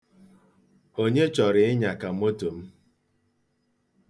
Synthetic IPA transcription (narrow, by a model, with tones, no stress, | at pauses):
o˦ɲe˦t͡ʃɔ˨ɾɪ˨ɪ˦ɲa˨ka˨m˦o˦to˨m̩˦